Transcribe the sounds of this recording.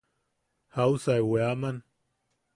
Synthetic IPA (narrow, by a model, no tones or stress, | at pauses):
hausaeweaman